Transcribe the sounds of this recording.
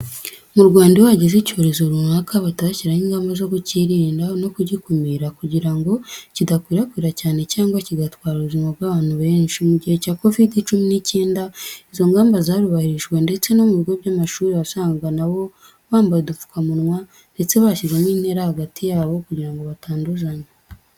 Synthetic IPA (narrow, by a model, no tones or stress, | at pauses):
muɾɡwaːndiwaɟezico̞ɾe̞zo̞ɾunakʰaβataciɾahiːŋɡaːmbazo̞kuciɾiːndano̞kuɟikumiɾakuɟiɾaŋɡo̞cidakwiːɾakwiːɾacaːne̞caːŋɡwaciɡatwaːɾuβuzimaβɡwaːβaːn̥huβe̞ːɲʃimuɟihe̞caːko̞vidit͡ʃuminiceːndaizo̞ŋɡaːmbazaːɾuβahiɾiʃwe̞nde̞t͡se̞no̞muβiɡo̞βɟaːmaʃuːɾiβasaːŋɡanaβo̞ | βaːmbajedufu̥kʰamunwa | nde̞t͡se̞βaʃizemiːn̥he̞ɾahaɡatʰijaːβo̞kuɟiɾaŋɡo̞βataːnduzaɲa